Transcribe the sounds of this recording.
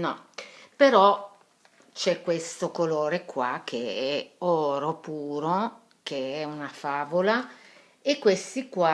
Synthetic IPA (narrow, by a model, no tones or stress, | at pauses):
nɔpeɾɔ | t͡ʃɛkːwest̪okoloːɾekwa̰k̟ːḛɛɔːɾopuːɾo | keɛunafaːvola | ekːwest̪ikwa